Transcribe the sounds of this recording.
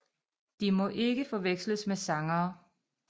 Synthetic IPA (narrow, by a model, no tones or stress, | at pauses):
d̥imɒ̽ʔe̝ɡ̥əfɒ̽ʋeɡ̥sləsmesɑ̈ŋɐː